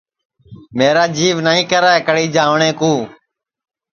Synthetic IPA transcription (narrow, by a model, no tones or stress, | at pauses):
meːɾaːd͡ʒiːʋnaːĩːkəɾaːekəɽiːd͡ʒãːʋɳẽːkũː